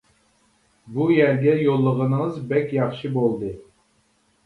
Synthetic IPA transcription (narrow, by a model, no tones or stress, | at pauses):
bujæɾɡʲɛjolˠːəʁənəŋəzbɛkʲjɑχʃibolˠd̪ɨ